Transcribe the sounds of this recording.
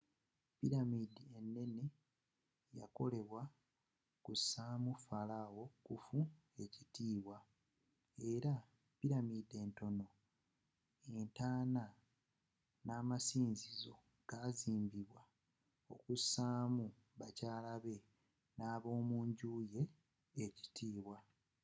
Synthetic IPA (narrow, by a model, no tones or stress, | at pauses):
piɾamidie̞nːe̞ne | ja̰ko̞̰le̞βwa | kusaːmufalawo̞kufu | e̞citiːβwa | e̞ɾa | piɾamide̞ːnto̞no̞ | e̞ntaːna | naːmasiːnzizo̞ | ɡ̥aziːmbiβwa | o̞kusaːmu | βacaːlaβe̞ | naːβo̞ːmuːɲɟuːje̞ː | ci̥tiːβwa